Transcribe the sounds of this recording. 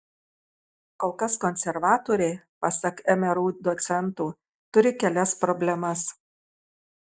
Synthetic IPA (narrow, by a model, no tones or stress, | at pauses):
koːlˠkɐskɔnʲsʲɛɾʋɑːt̪oːɾʲɛɪpɑsɐkɛmʲɛɾuːd̪ɔt̪sʲɛnt̪uː | t̪ʊɾʲɪkʲɛlʲɛspɾɔbʲlʲɛmɐs